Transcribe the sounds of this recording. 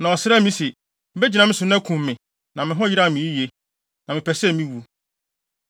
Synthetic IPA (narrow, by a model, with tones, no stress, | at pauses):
nã˨ɔ˨sɪ˦ɾɛ˦mĩ˦se˨˦ | be˦d͡ʑi˨nã˦mɪ̃˦sʊ˨nɛ̃˦kʰũ˨mːɪ̃˨ | nã˨mɪ̃˨ɦɔ̃˦ji˦ɾa˦˨mĩ˨˦i˦ji˨e˨ | nã˨mɪ̃˨pʰɛ˨sɛ˦˨mĩ˦wu˨